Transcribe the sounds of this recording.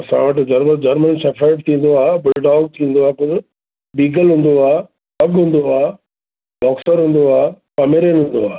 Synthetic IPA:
ɐsã̰ʋɐʈd͡ʑɐɾməɾd͡ʑɐɾmənsɐfʰɛɪʈ̚t̪ʰĩːn̆d̪oaːbɪlɖaːɡ̚t̪ʰĩːn̆d̪oaːpʊɾ | biːɡəlɦũːn̆d̪oaː | pɐɡɦũːn̆d̪oaː | bɔːksəɾɦũːn̆d̪oaː | pɐmeɾenɦũnd̪oaː

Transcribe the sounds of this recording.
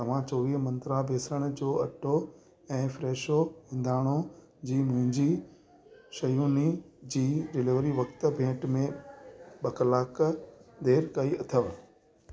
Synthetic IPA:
t̪ɐʋ̤ãt͡ɕoːʋiːɦmɐ̃nt̪ɾabʱeːsɾəɽ̃ʊd͡ʑoːɐʈʰo | ɛ̃ːfɾeːʃoɦɪ̃nd̪ʱaːɽ̃o | d͡ʑiːmʊ̃ɦɪ̃ɲd͡ʑi | ʃɐjuːnid͡ʑiːɾɪleːʋəɾiʋɐkt̪bʱẽːʈmẽɓɐklaːkd̪eːɾkɐiɐt̪ʰəʋ

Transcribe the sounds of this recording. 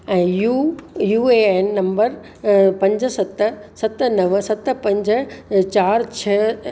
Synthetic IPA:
ɛ̃ːjujuːeːeːnːɐ̃mbəɾ | pɐ̃ɲd͡ʑ̆sɐt̪̆sɐt̪̆nɐʋsɐt̪̆pɐ̃ɲd͡ʑt͡ɕaːɾt͡ɕʰɐ

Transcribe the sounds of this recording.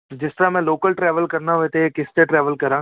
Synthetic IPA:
d͡ʒɪsʈɾamɛ̃ːloːkəlʈɾɛːʋəlkɐɾnaʋeːt̪eekɪsʈ̪eʈɾɛːʋəlkɐɾãː

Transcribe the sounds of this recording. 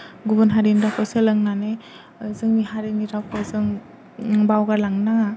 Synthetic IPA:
ɡubɯnɦaɾinɾawkʰɔselɯŋnane | zɯŋmihaɾiniɾawkʰɔzɯŋ | bawɡaɾlaŋnaŋ

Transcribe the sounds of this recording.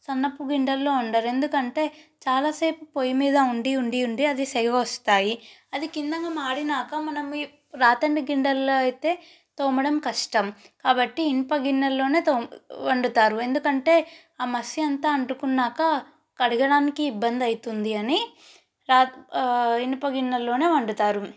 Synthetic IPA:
sɐnːɐpːuɡiɳɖɐlːo̞ːɐɳɖaːɾe̞nd̪ukɐɳʈe̞ːt͡ʃaːlaːseːpupoːjimiːd̪ɐuɳɖiuɳɖiuɳɖiɐd̪isɛɡɐɐɐst̪aːjiɐd̪ikind̪ɐŋɡaːmaːɽinaːkɐmɐnɐm | ɾaːt̪ɐɳɖiɡiɳɖɐloːɐjt̪e̞ː | t̪oːmɐɽɐmkɐʂʈɐmkaːbɐʈːiːnipɐɡinːɐlːo̞ːne̞ːt̪oːʋɐɳɖut̪aːɾue̞nd̪ukɐɳʈe̞ː | aːmɐsiɐnt̪aːɐɳɖukunːaːkɐ | kɐɽiɡɐɽaːnikiːbːɐnd̪ɐjit̪und̪iɐni | ɾaː | inipɐɡinːɐlːo̞ːne̞ːʋɐɳɖut̪aːɾu

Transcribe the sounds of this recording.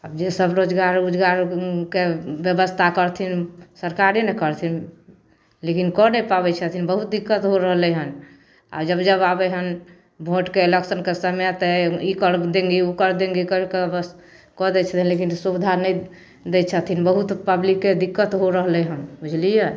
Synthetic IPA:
əbd͡ʒesəbɾod͡ʒɡaɾud͡ʒɡaɾkebjəbəst̪ʰakəɾt̪ʰinsəɾkaɾinɛkəɾt̪ʰin | lekinkɔnepabɛt͡ʃʰət̪ʰinbəɦut̪̚d̪ikːət̪ɦoɾəɦlɛɦən | a̰d͡ʒəbd͡ʒəbabɛɦən | bʱoʈkeeleksənkesəmjat̪əikəɾd̪ẽŋɡiukəɾd̪ẽŋɡikəɾkebəs | kɔd̪ɛt͡ʃʰət̪ʰinlekinsubid̪ʱanɛj | d̪ɛt͡ʃʰət̪ʰinbəɦut̪pəblikːed̪ikːət̪ɦoɾəɦlɛɦənbud͡ʒʱlijə

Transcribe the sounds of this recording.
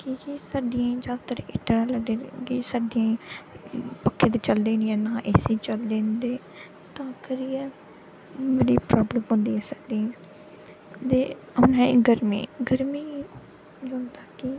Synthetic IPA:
kikisaːɖɪjãːd͡ʒaːd̪at̪əɾʔɪ̰ʈːnãːləɡd̪eːkisaːɖɪjãː | pəkʰːẽːt̪eːt͡ʃəld̪eːnɛ̃ːnãːʔeːseːt͡ʃəld̪ẽːnd̪eː | t̪ãːkəɾiːɛ̃ː | bəɽḭːpɾaːbləmɦʊ̃nd̪iːɛ̃ːsaːɖ̪iɛ̃ | t̪eː | ʊnɛ̃ːɪ̰ɡəɾmḭːɡəɾmiː | d͡ʒʊ̃ːnd̪aːkɪ

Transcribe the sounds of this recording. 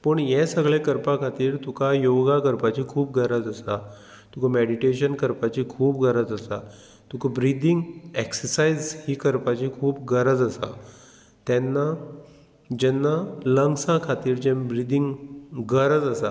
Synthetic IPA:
pəɳjɛsəɡɭẽkəɾpakʰat̪iːɾt̪ukʰajoɡakəɾpat͡ɕiːkʰuːp̚ɡəɾəd͡zəsa | t̪ukameɽiʈeɕənkəɾpat͡ɕikʰuːp̚ɡəɾəd͡zəsa | t̪ukʰabɾid̪iŋɡeksəɾsaizhiːkəɾpat͡ɕikʰuːpɡəɾəd͡zəsa̰ | t̪ɛnːa | d͡ʑɛnːaləŋɡsãkʰat̪iːɾd͡ʑɛ̃mbɾid̪iŋɡɡəɾəd͡zəsa

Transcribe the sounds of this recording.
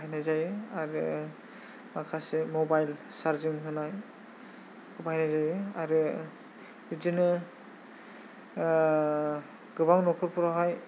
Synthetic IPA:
ajnajzajɯaɾɯ | makʰasemɔbajlsaɾziŋɦɯnaj | kʰɯbajnazajɯaɾɯ | izinɯ | ɡ̥ɯbaŋnɔkʰɯɾpuɾɔɦɔj

